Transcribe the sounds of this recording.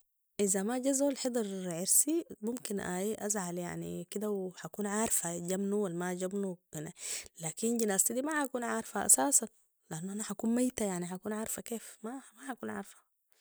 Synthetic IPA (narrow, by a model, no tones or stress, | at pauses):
ʔizamaɟazalħed̪ˤɑɾʕɪɾsimumkinʔaiʔa̰zʕalja̰ʕnḭkid̪awħakuːnʕaːɾfaɟamnuwalːmaɟabnuanalaːkinɟinaːst̪id̪imaħakuːnʕaːɾˤfaʔa̰saːsan | lɪʔanːuʔanaħakuːnmajt̪ajaʕniħakuːnʕaːɾˤfakeːfmamaħakuːnʕa̰ːɾˤfḁ